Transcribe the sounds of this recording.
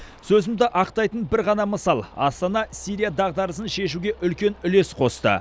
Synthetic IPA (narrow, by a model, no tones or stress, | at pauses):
sɵzɪmd̪ɪʔɑqt̪ɑjt̪ənbɪɾʁɑnɑməsɑlˠɑ̰st̪ɑnɑsijɾijad̪ɑʁd̪ɑɾəsənʃe̞ʃuɡʲe̞ʔʏlkʲe̞nʏle̞sqʰo̞st̪ə̰